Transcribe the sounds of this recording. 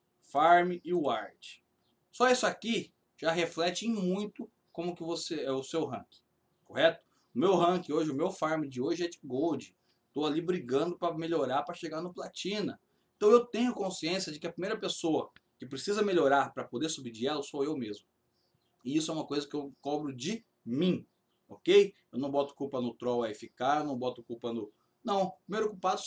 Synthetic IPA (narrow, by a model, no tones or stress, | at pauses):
faɾmɪʔɪʊaɾt͡ʃɪ̥ | sɔisʊaki | ʒ̥aɦeflɛt͡ʃɪẽj̃mũj̃t̪ʊ | kõmʊkɪvoseɛʊsewɦɐ̰̃kɪ̥ | kohɛt̪ʊ̥ | ʊmewɦɐ̃kɪoʒɪʊmewfaɾmɪd͡ʒɪoʒɪɛd͡ʒɪɡowd͡ʒɪ | t̪owalibɾiɡɐ̃d̪ʊpɾɐmeʎoɾaɾpɾɐʃeɡaɾnʊplat͡ʃĩnɐ | ẽt̪ɐ̃w̃ewt̪ẽɲʊkõsiẽsjɐd͡ʒɪkɪɐpɾimejɾɐpesoɐkɪpɾesizɐmeʎoɾaɾpɾɐpod̪eɾsubid͡ʒiɛlɐsoewmezmʊ | ɪisʊɛũmɐkojzɐkɪewkɔbɾʊd͡ʒɪ | mĩ | ɔkejewnɐ̃w̃bɔt̪ʊ̥kupɐnʊt̪ɾɔwɐefikaewnɐ̃w̃bɔt̪ʊkupɐnʊ | nɐ̃w̃pɾimejɾokupad̪ʊ